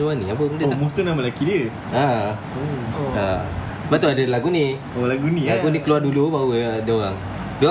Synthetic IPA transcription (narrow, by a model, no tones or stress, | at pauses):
luaniapəmədomost̪ənaməlakidiə | a | a̰ | bat̪uadəlaɡuni | olaɡunilaɡunikəluardulubawudoɣaŋ | du